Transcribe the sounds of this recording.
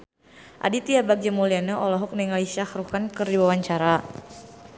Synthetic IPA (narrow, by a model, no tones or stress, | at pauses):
ʔa̰dit̪iabak̚d͡ʒəmulianəʔɔlɔɦɔk̚nɛŋaliʃahɾukankɨrdiwawaɲt͡ʃaɾa